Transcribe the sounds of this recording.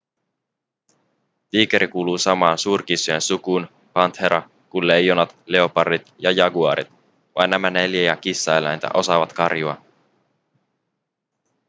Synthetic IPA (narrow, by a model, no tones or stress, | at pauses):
t̪iːke̞ɾikuːluːsɑmɑːnsuːrk̟isujensukun | pɑnt̪he̞ɾʔɑ | kunle̞jːonɑt̪le̞o̞pɑrdit̪jɑjɑɡuɑ̰ɾḭt̪ | ʋɑ̰jnːæmæne̞ljæjɑkisːɑelæ̰jnt̪æ̰ʔo̞sɑʋɑt̪kɑrjuɑ̰